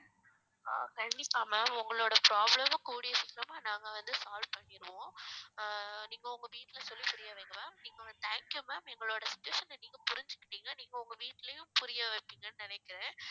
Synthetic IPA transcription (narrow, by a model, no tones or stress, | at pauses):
kɐɳɖɪpːaːmɐmʊŋɡɐɭoːɽɐpɾaːblɐmɐkuːɽɪɐsɪkːɾɐmaːnaːŋɡɐʋɐnd̪ɯsaːlʋpɐɳːɪɾɯʋõː | niːŋɡɐʊŋɡɐʋiːʈːɪlɐsɔlːipʊɾɪjɐʋeːŋɡɐʋaːmniːŋɡɐɐt̪aːŋkɐmaːmɛŋɡɐɭoːɽɐsɪ̥t͡ʃːʊʋeːʃɐnːniːŋɡɐpʊɾɪɲd͡ʒɯkːɪ̥ʈːiːŋɡɐniːŋɡɐʊŋɡɐʋiːʈːɪlɐjʊ̃mpʊɾɪjɐʋeːpːiːŋɡɐnːɯnɪnɛkːɪɾẽː